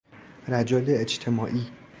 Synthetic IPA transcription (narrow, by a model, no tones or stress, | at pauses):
ɾæd͡ʒɒːleed͡ʒt̪ʰe̞mɒːʔiː